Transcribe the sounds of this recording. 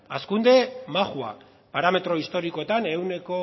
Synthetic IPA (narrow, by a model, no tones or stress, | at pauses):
askund̪e̞maxua̰ | paɾame̞t̪ɾo̞ist̪o̞ɾiko̞et̪ane̞wne̞ko̞